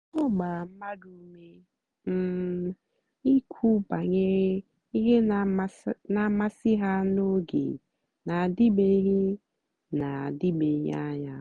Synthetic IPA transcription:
ɔ˦ɡ͡ba˨m̩˦ma˦du˦me˦ | m̩˨ | i˦kʰu˦ba˨ɲe˦ | i˦ɦe˦˨˦na˨ma˦sɪ˦ɦa˦no˦ɡḛ˨ | na˨a˨di˦be˦ɦe˦ | na˨a˨di˦be˨˦ɦa̰˦ɲa˦

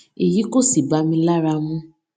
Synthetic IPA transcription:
i˨ji˨˦ko˦˨si˨ba˨˧mĩ˧la˦ɾa˧mũ˦

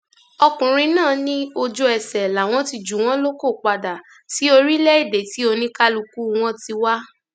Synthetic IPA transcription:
ɔ˧kũ˨ɾ̃ĩ˧nãː˦˨nĩ˦o˧d͡ʒo˧ɛ˨sɛ˨la˨w̃ɔ̃˦ti˧d͡ʒu˨w̃ɔ̃˦lo˦ko˦˨k͡pa˧da˨ | ti˨˦o˧ɾi˦lɛ˦i˦˨de˨ti˨˦o˧nĩ˦ka˦lu˧ku˦˧w̃ɔ̃˦ti˧wa˦

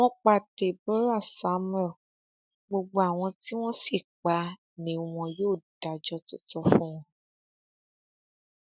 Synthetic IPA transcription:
wɔ̃˦k͡pa˧˨te˨bɔ˦ɾa˦˨sa˨˦mɛ˦˨ | ɡ͡bo˧ɡ͡bo˧a˦˨w̃ɔ̃˧ti˦w̃ɔ̃˦si˦˨k͡pa˨˧˦ | nĩ˨˦w̃ɔ̃˧joː˦˨d̥a˨d͡ʒɔ˦tu˦tɔ˧fũ˦w̃ɔ̃˧

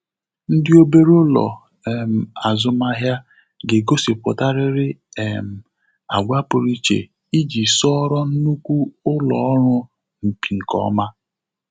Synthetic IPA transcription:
n̩˦dɪ˦o˦be˦ɾʊ˦lɔ̰˨ | ɛ˨m̩˨a˨zʊ˦ma˦ɦja˦ | ɡe˨ɡo˦si˨pʊ˨ta˦ɾɪ˦ɾɪ˦e˨m̩˨ | a̰˨ɡʷa˦pʊ˨ɾi˦t͡ʃḛ˨ | i˦d͡ʒi˨sɔ˦ɾɔ˦n̩˦nu˦kʷu˦ʊ˦lɔ˨ɔ˦ɾʊ˦ | m̩˨pi˨ŋ̩˨kɔ̰˦ma˦

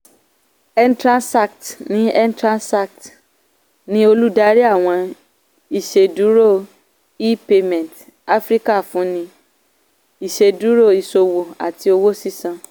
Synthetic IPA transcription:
ɛ˦n˦tɾã˦nsa˦˨ktnĩ˦ɛ˦n˦tɾã˦nsa˦˨k̚t | nĩ˦o˧lu˦da˦ɾi˦a˦˨w̃ɔ̃˧ | i˨ʃe˨du˨˦ɾo˦˨ | i˦pe˧mɛ̃˨n˨t | a˦fɾi˦ka˦˨fũ˨˦nĩ˧ | i˨ʃe˧˨du˨˦ɾo˦˨i˧so˧wo˨a̰˨ti˧o˧wo˦si˦sã˧

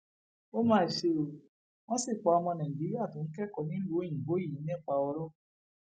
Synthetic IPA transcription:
o˦mãː˦i˨ʃe˧o˨ | w̃ɔ̃˦si˦˨k͡pɔ˨˧ɔ˧mɔ̃˧nɛ̃˨bi˨˦a˦˨to˨˦n̩˦kɛ˦kɔ˨nĩ˨˦lu˦i˦˨ɡ͡bo˨˦i˦˨i˨˦nɛ̃˦˨k͡pa˧ɔ˧ɾɔ˦

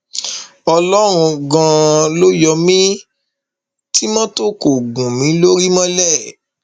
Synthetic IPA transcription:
ɔ˧lɔ˦ɾ̃ũ˧ɡã˧lo˦jɔ˧mĩ˦ | ti˦mɔ̃˦to˦˨ko˨ɡũ˨mĩ˨˦lo˦ɾi˦mɔ̃˦lɛ˦˨

